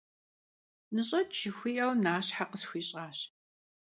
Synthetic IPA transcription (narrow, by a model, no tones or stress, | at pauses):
nɨɕʼɐt͡ʃʰɪxʷiːʔɐwnaːɕħaqəsxʷiːɕʼaːɕ